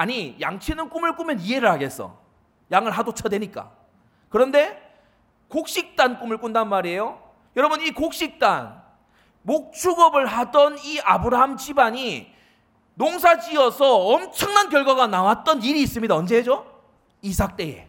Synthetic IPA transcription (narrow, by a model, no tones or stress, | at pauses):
aɲija̰ŋt͡ɕʰenɯnk͈umɯɭk͈umjʌnie̞ɾɯɭɦaɡe̞s͈ʌ̰ | jaŋɯɭɦadot͡ɕʰadwe̞ɲik͈a̰ | kɯɾʌnde̞ | kok̚ɕ͈ik̚t͈ank͈umɯɭk͈undanmaɾie̞jo | jʌɾʌbɯnikok̚ɕ͈ik̚t͈an | mok̚t͡ɕʰuɡʌbɯɭɦadʌniabɯɾaɦamt͡ɕibaɲi | noŋs̬ʰad͡ʑiʌsʰʌːmt͡ɕʰʌŋnankjʌɭɡwaɣanawat̚t͈ʌniɾiːs͈ɯmɲidaʌnd͡ʑe̞ɦed͡ʑo | isʰak̚t͈e̞je̞̰